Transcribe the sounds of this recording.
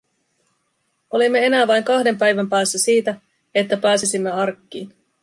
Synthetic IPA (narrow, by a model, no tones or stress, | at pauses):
o̞limːe̞e̞næːʋɑjŋkɑhde̞mpæjʋæmpæːsːæsiːt̪æ | e̞t̪ːæpæːsisimːe̞ɑrkːiːn